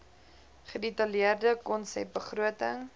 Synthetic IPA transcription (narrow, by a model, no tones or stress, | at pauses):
χədetɐliərdəkɔnsɛ̰p̚bəχruətəŋ